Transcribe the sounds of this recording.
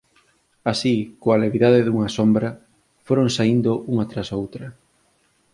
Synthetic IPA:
asikoaleβiðaðɪðuŋɐsombɾɐ | foɾoŋsaind̪ʊʔuŋat̪ɾasowt̪ɾɐ

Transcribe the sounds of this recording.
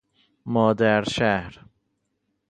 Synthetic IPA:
mɔd̪ɛɾʃɛhɾ

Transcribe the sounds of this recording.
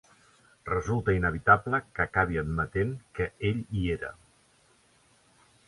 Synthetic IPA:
rəzulˠt̪əinəβit̪abləkəkaβiəd̪mət̪enkəeʎieɾə̰

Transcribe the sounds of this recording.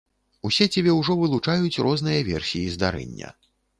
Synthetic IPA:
usʲɛt͡sʲabʲɛwʐɔvɨlˠut͡ʂajut͡sʲrʔɔznɨjɐvʲɛrsʲijizd̪aɾɛ̰nʲːɐ̰

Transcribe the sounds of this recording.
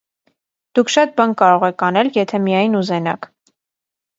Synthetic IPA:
d̪̥ukʰʃɑt̪̚bɑnkɑɾɔʁɛkʰɑnɛljɛt̪ʰɛmijɑjnuzɛnɑ̰k

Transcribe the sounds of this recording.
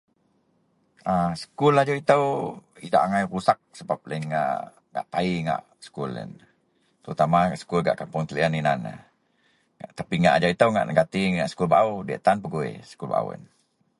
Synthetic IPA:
ʔasə̥kulad͡ʒait̪əwidaʔaŋajɾusak̚səbap̚lainŋa̰ʔ | ŋa̰ʔt̪aiŋa̰ʔ | sə̥kulə̰n | t̪əɾut̪amaaʔsə̥kulɡa̰ʔkampʊŋt̪əliəninanə̰ | ŋaʔt̪apiŋa̰ʔad͡ʒait̪əwŋa̰ʔnəɡat̪iŋa̰ʔsə̥kulbaʔudiə̰ʔt̪anpəɡuḛsə̥kulba̰ʔa̰ə̰n

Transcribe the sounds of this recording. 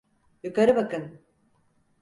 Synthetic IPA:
jukaɾɯbakɯn

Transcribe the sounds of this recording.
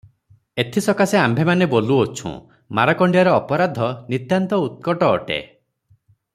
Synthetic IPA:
et̪ʰisɔkaseambʱemaneboluot͡ʃʰṵ̃ | maɾakɔɳɖijaɾɔːpɔɾad̪ʱɔnit̪jant̪ɔut̪̚kɔʈɔːʈḛ

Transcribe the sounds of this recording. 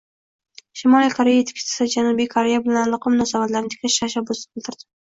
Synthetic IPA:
ʃɪmɒlikʰoɾejaet̪ʰkʰʲɪ̥ʃt̪ɪ̥sɪd͡ʒanubijkʰoɾe̞jabɪlanlˠɒqʰɨmʊnasɒvat̪laɾnɪt̪ʰe̥kʰʲlaʃt̪ʰaʃabːʊsɪbɪlt̪ʰɪɾd̪̥ɪ̥

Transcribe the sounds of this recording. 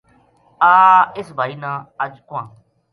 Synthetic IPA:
aːɪsbʱaːiːnãːəd͡ʒkʊʋãː

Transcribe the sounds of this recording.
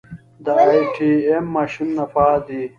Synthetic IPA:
d̪ɐaːjʈʰiːemːaːɕinːɐfaːd̪i

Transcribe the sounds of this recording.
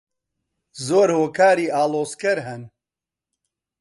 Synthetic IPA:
zoːɾhoːkʰaːɾiːʔaːloːskɐɾɦɛn

